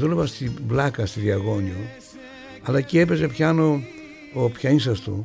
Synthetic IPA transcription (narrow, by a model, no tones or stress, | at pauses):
ðulevɐst̪iblɐkɐst̪iðiɐɣo̞ɲio | ɐlɐciepe̞zepçɐnoː | pçɐinsɐst̪u